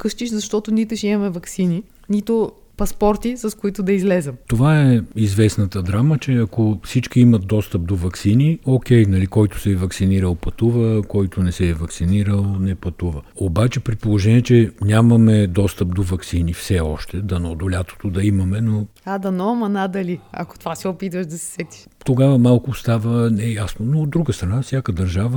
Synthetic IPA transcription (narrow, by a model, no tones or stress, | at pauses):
kɤʃt͡ʃ̪iʃzɐʃt̪ɔt̪ʊnit̪ɛʃimɐmɛvɐksini | nit̪ʊ | pɐspɔɾt̪isɐskʊit̪ʊd̪ɐizlɛzɛmt̪ovaɛizvɛsnɐt̪əd̪ɾamət͡ʃɛɐkofsit͡ʃk̟ʲiimɐt̪̚d̪ɔst̪əp̚d̪ovɐksiniokʲɛjnɐlikɔjt̪ʊ̥sɛːvɐksiniɾəlˠpɐt̪uvəkɔjt̪onɛsɛːvɐksiniɾəlˠnɛpɐt̪uvəobat͡ʃɛpɾipolˠoʒɛniɛt͡ʃɛnʲamɐmɛd̪ɔst̪əp̚d̪ovɐksinifsɛɔʃt̪ɛd̪ɐnɐod̪olʲat̪o̥t̪od̪ɐimɐmɛno | ad̪ɐnɔmɐnad̪ɐliɐ̰ko̥t̪ovasiopit̪əʃd̪ɐsɛ̥sɛt̪i̥ʃ | t̪oɡavəmalˠkʊst̪avənɛjasnonood̪ɾuɡəst̪ɾɐnafsʲjakəd̪ɐɾʒavə